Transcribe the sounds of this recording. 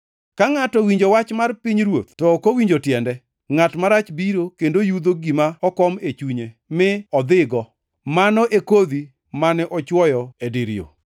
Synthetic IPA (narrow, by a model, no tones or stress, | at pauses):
kaŋatɔwiɲd͡ʒowat͡ʃmarpiɲɾwot̪tɔkowiɲd͡ʒotjɛndɛ | ŋatmaɾat͡ʃbiɾokendojud̪oɡimaɔkɔmet͡ʃuɲe | mɪɔd̪ɪɡɔ | manɔʔekod̪i | manɛʔɔt͡ʃwɔjɔediɾɪ̰o̰